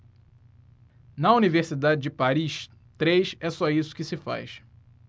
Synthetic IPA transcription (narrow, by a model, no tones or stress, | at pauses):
nɐuniveχsid̪ad͡ʒɪd͡ʒɪpaɾiʃ | t̪ɾejʃɛsɔisʊ̥kɪsɪfa̰jʃ